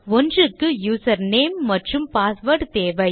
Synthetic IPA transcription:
ɔndrɯkːɯjuːsɐɾneːmːɐʈrɯmpaːsʋɐɾʈt̪eːʋɐɪ

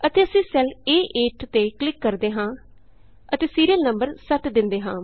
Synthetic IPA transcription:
ət̪eːəsĩːsɛleːʔeːʈt̪eːklɪkːəɾd̪eːɦãː | ət̪eːsiːɾiəlnəmbəɾsət̪d̪ɪnd̪eːɦãː

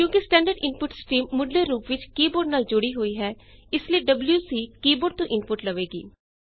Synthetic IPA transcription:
kjõːkɪsʈɛ̃ːɳɖəɾɖɪnpʊʈsʈiːmːʊɖleːɾuːpʋɪt͡ʃkiːboːɖnaːld͡ʒʊɽiːɦoːiːɦɛː | ɪslieːɖəbljuːsiːkiːboːɖ̚t̪õːʔɪnpʊʈləʋeːɡḭː

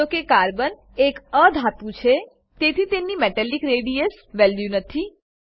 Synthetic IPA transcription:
okekaɾbən | ekəd̪ʱat̪ũt͡ʃʰe | t̪et̪ʰit̪enːimɛʈɛlikɾeɽies | ʋɛlʋjunət̪ʰi

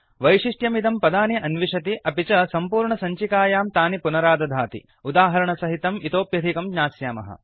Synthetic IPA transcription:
ʋɐjʂiʂʈjɐmit̪ɐmpɐd̪aːniʔɐnʋiʂɐt̪iʔɐpit͡ʃɐsɐmpuːɾɳɐsɐɲt͡ʃikaːjaːmt̪aːnipunɐɾaːd̪ɐd̪ʱaːt̪ḭ | ud̪aːɦɐɾɐɳɐsɐɦit̪ɐmit̪oːpjɐd̪ʱikɐmɡɲaːsjaːmɐ̰ɦɐ̰

